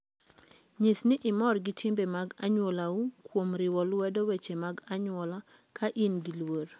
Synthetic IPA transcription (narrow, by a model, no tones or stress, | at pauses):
ɲisnɪʔɪmɔrɡɪtʰimbemaɡa̰ɲwolaukwomɾɪwɔlwɛdɔwet͡ʃemaɡaɲwɔla | kʰaʔinɡilwoɾ